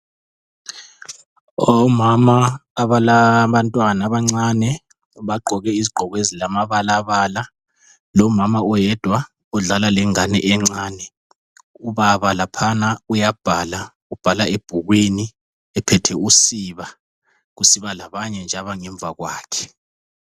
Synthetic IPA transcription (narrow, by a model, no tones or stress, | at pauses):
ɔmamaːβalaβantʼwanaβaŋ͡ǀaːnɛ | βaɡ͡ǃʱɔɣɛiziɡ͡ǃʱɔɣezilamaβalaβala | lɔmamaɔjɛd̥ʱwa | ɔɮalalɛŋanɛʔɛŋ͡ǀaːnɛ | uβaβalapʰanaujab̥ʱala | ub̥ʱalaeb̥ʱuɣwini | ɛpʰɛtʰɛusiβa | ɣusiβalaβaɲɛnd͡ʒʱaβaŋɛɱb̪vʱaɣwaːkʰɛ̥